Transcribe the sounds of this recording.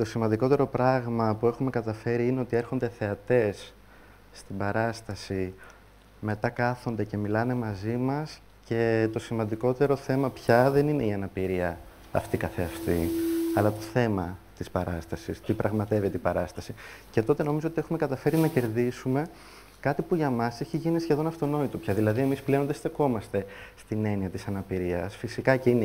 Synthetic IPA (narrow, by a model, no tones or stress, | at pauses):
t̪o̞simɐnd̪iko̞t̪e̞ɾo̞pɾɐɣmɐpue̞xume̞kɐt̪ɐfe̞ɾiine̞o̞t̪ie̞ɾxo̞nd̪eθe̞ɐt̪e̞sː | t̪ibɐɾɐst̪ɐsi | me̞t̪ɐkɐθo̞nd̪e̞ce̞milɐne̞mɐzimɐs | ce̞t̪o̞simɐnd̪iko̞t̪e̞ɾo̞θe̞mɐpçɐðe̞nine̞iɐnɐpiɾiɐ | ɐ̰ft̪ikɐθeɐft̪iɐlɐt̪o̞θe̞mɐt̪ispɐɾɐst̪ɐsḭst̪ipɾɐɣmɐt̪e̞vet̪eipɐɾɐst̪ɐsice̞t̪o̞t̪e̞no̞mizoot̪ie̞xume̞kɐt̪ɐfe̞ɾinɐce̞ɾðisume̞ | kɐt̪ipuʝɐmɐseçiʝinisçe̞ðo̞nɐft̪o̞no̞it̪upçɐðilɐðie̞misple̞ond̪est̪eko̞mɐst̪e̞st̪ine̞niɐt̪isɐnɐpiɾiɐsfisikɐceine